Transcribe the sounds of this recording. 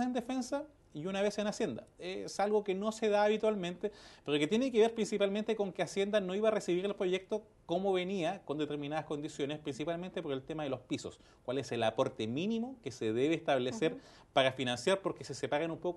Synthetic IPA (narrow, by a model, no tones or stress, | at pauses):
end̪efe̞nsa | iunaβe̞senasje̞nd̪a̰esalɣokeno̞seðaːβit̪walmẽnt̪epeɾoket̪je̞nekeβe̞ɾpɾinsipalment̪eko̞ŋkeasje̞nd̪ano̞iβaresiβiɾe̞lpɾo̞ʝek̚t̪o | komoβe̞niakond̪et̪e̞ɾminaðasko̞nd̪isjo̞nespɾinsipalment̪epo̞ɾe̞lt̪emaðelo̞spiso̞̰s | kwale̞selapo̞ɾt̪eminimokeseðeβeːst̪aβleseɾ | paɾafinansjaɾpoɾkesesepaɾenumpok